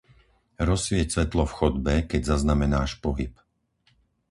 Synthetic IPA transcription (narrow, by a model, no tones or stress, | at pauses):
ɾɔsʋɪɛcsʋɛt̪lɔfxɔd̪bɛkɛɟzaznamɛnaːʃpɔɦip